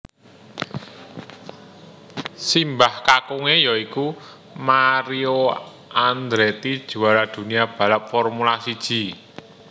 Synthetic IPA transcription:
simbahkakuŋejɔiku | maɾio | and̪ɾet̪id̥ʒ̥ṳaɾad̪̥ṳniab̥a̤lap̚fɔrmulasid̥ʒ̥i̤

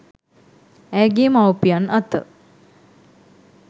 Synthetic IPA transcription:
æːɡimawpijanʔat̪ə̰

